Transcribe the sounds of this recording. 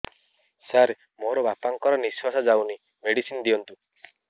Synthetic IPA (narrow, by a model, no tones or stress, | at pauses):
saɾ | moɾɔbapaŋkɔɾɔniswasad͡ʒawni | meɽisinɔd̪ijɔnt̪u